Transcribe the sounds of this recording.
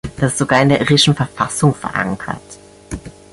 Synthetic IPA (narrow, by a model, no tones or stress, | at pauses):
d̥asstz̥oɡaːɐɪndeːɐʔɪʁɪʃn̩fɛɐfasʊŋfɛɐʔa̰ŋkʰɐ̰t